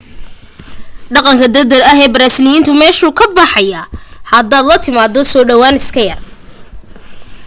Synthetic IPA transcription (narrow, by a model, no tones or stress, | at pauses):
ɖɑqɑŋkʰɐd̪ɐd̪ɐlɐɦɛːbɐɾaːsɪljiːnt̪ʰʊmɛːʃuːkʰɐbɑħɑjaːhɐd̪aːd̪lɐt̪ʰɪmaːd̪ɔsɔːɖɐwaːnɪskʰɐjɐr